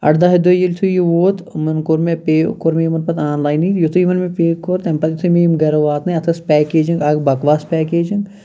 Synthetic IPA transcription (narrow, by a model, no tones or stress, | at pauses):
ɐ̰ʈd̪aːɦɐd̪ojilʲt̪ʰujuʋoːt̪mɐnkoɾmepeːkːoɾmejimɐnpɐt̪aːnlaːjnit̪jot̪ʰujimɐnmepeːkːoɾt̪ɐmpɐt̪it̪ʰumemɡɐɾoʋaːt̪nɐɐt̪ʰɐspʲɛːkeːd͡ʒiŋɡɐɡbɐkʋaːspɛːkeːd͡ʒiŋɡ